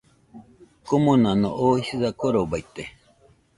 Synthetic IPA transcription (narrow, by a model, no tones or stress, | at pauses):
komõnãnõ̰ʔoisiðakoɾobait̪e